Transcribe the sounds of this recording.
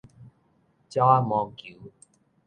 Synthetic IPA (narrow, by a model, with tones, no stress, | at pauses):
t͡ɕa˦a˦mɔ˧kju˨˦